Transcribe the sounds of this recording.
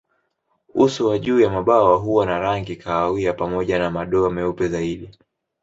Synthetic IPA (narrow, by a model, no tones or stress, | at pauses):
usuwaʄuːjamaɓawaɦuwanaɾaŋɡikʰaːwiapamɔʄanamaɗɔamɛupɛzaiɗi